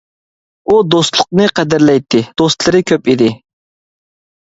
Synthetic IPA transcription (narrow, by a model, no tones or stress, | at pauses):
ud̪ost̪lˠʊq̚nɨqʰæd̪ɪɾlɛjt̪ʰːɪd̪̥ost̪lˠɨɾɨkʲʰøpid̪ɪ